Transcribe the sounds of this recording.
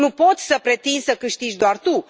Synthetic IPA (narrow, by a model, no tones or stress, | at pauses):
nupo̞t̪sʲsəpɾe̞t̪insəkɨʃt̪id͡ʒd̪oart̪u